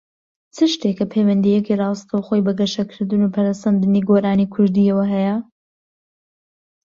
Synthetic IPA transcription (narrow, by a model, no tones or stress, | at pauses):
t͡sʰɨʃt̪ekːɐpʰejwɐnd̪ijɛkirɑːwst̪ʰɐwxojbɐɡɐʃɐkʰɨɾd̪ɨnuːpʰɐɾasɐmd̪ɨniɡoːɾaːnikʰʊɾd̪iɐwɐɦɛjɐ